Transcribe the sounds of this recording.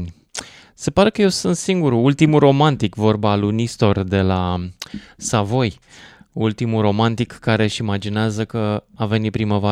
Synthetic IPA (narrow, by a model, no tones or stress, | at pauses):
nʲ | se̞paɾe̞kəje̞wsunt̪siŋɡuɾuult̪imuro̞mant̪ikvo̞rbalunist̪o̞rd̪e̞la | savo̞j | ult̪imuɾo̞mant̪ikːaɾe̞ʃiːmad͡ʒineazəkəave̞nʲipɾiməva